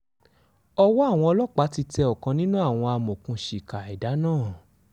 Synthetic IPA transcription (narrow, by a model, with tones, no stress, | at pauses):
ɔ˧wɔ˦a˦˨w̃ɔ̃˧ɔ˧lɔ˦˨k͡pa˨˦ti˧tɛ˧ɔ˨kã˧nĩ˦nũ˦a˦˨w̃ɔ̃˧a˧mõ˨kũ˧ʃi˨ka˨i˨da˨˦nãː˦˨